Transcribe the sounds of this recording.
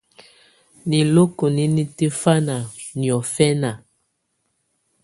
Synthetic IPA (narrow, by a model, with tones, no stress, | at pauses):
ni˨lo˦ko˨ni˦ni˦te˦fa˦na˨njɔ˨fɛ˦na˨